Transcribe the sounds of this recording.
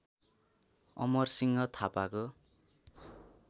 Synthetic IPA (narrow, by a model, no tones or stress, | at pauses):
ʌ̰mʌrsiŋɡʌt̪ʰapako